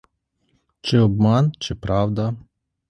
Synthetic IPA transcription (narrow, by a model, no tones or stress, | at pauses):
t͡ʃɛɔbmant͡ʃɛpɾawd̪a